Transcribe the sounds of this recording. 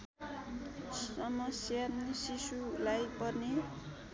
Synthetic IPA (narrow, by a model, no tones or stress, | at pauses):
sʌmʌsjannisisulajpʌrne